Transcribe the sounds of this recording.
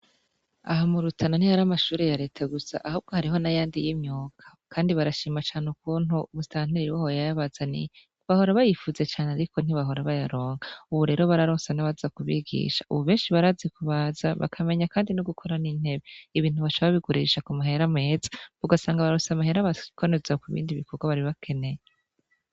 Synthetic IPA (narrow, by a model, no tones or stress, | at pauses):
aɦamuɾutʰananihaɾamaʃuːɾejaɾe̞ːtʰaɡusa̰ʔahuːb̚ɡo̞haɾiɦo̞najaːndijimɲuːkʰḁkʰaːndiβaɾaʃiːmat͡ʃaːneuk̚uːnumustaːn̥iɾiɾiwahojajaβazanḭ | βaho̞ɾaβajifuze̞t͡ʃaːneaɾiko̞n̥iβaɦo̞ɾaβajaɾo̞ːŋɡauβuɾe̞ːɾo̞βaɾaɾoːsanaβazakuβḭɡḭːʃḁʔuβuβe̞ːnʃiβaɾaːzikuβazaβa̰kʰame̞ɲakaːndinuɡukʰo̞ɾaniːn̥he̞βeiβiːn̥uβat͡ʃaβaβiɡuɾḭʃakumaɦe̞ɾame̞ːzḁβuɡasaːŋɡaβaɾoːsamaɦe̞ɾaβakonezakuβḭːndiβikʰoɡwaβaɾiβakʰe̞ne̞je